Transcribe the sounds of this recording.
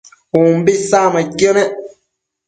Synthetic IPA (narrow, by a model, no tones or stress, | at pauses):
umbisamakjɔnɛ